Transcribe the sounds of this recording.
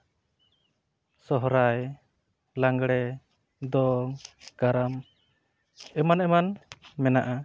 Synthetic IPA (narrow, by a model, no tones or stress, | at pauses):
sɔɦɾaj | laŋɡɽɛ | d̪ɔŋɡ̥aɾam | ɛmanɛmanmɛnaʔa